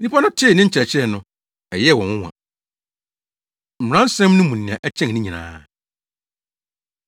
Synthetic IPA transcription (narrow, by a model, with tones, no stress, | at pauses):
nĩ˦pʰa˦nʊ̃˦tʰɪ˦˨nɪ̃˦ɲ̩˦t͡ɕʰɛ˨t͡ɕʰɪ˦ɛ˨nʊ̃˨ | ɛ˨jɛ˦˨wɔ̃˨nwʊ̃˦wã̰˨ | m̩˨ã˦n̩˦sɛ̃˦m˦nʊ̃˦mũ˨nɪ̃˨ã˨ʔɛ˦t͡ɕʰɛ̃˦˨ŋnɪ̃˦ɲĩ˨nã̰ː˨˦